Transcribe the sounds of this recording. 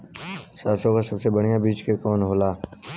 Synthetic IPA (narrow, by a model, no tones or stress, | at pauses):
saːsõkasɐbsebəɽ̤ijãbiːt͡ʃkekɔːnɦoːlaː